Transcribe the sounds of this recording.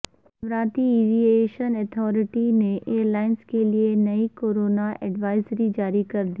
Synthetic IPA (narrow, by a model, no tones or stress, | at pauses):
ʋɾaːt̪iiːʋieːʃənɛt̪ʰɔːɾɪʈineʔeːəɾlaːɪnskelienɐikoːɾoːnaʔɛɖʋaːɪzɾid͡ʒaːɾikɐɾd̪iː